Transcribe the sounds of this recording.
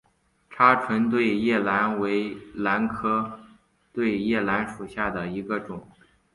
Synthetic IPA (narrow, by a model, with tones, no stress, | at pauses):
ʈ͡ʂʰa˥ʈ͡ʂʰwə˧˥nt̪̬we˥˧ɪjɛ˥˩la˧˥nwe˧˥ɪla˧˥nkʰɤ˥ | t̪we˥˧ɪjɛ˥˩la˧˥nʂu˨˩ɕja˥˩d̪ə˩i˧˥ɡə˧ʈ͡ʂʊ˨˩˦ŋ